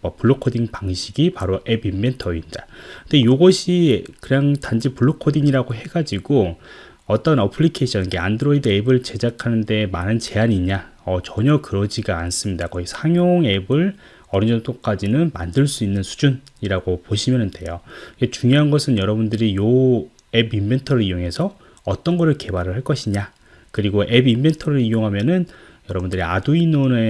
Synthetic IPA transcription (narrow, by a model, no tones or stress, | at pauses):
mʌpuɭːokʰodiŋpaŋɕʰiɡipaɾoʔe̞bimbe̞ntʰʌindakkɯndejoɡʌɕʰikɯɲaŋtand͡ʑipuɭːokʰodiŋiɾaɡoɦe̞ɡad͡ʑiɡo | ʌt͈ʌnʌpʰɯɭikʰe̞ɕʰʌnɯnɡeandɯɾoidɯe̞bɯɭt͡ɕe̞d͡ʑakʰanɯnde̞manɯnt͡ɕe̞aɲiɲa | ʌt͡ɕʌɲʌkɯɾʌd͡ʑiɡaːns͈ɯmɲidakʌɡisʰaŋjoŋe̞bɯɭ | ʌɾind͡ʑʌnt͈ok͈ad͡ʑinɯnmandɯɭs͈uinːɯnsʰu̥d͡ʑuniɾaɡopoɕʰimjʌnɯnde̞̰joket͡ɕuŋjoɦanɡʌsʰɯnjʌɾʌbundɯɾijo | e̞bimbʱe̞ntʰʌɾɯɾijoŋɦe̞sʰʌ | ʌt͈ʌnɡʌɾɯɭke̞baɾɯɭɦaɭk͈ʌɕʰiɲa | kɯɾiɡoʔe̞bimbe̞ntʰʌɾɯɾijoŋɦamjʌnɯn | jʌɾʌbundɯɾia̰duinone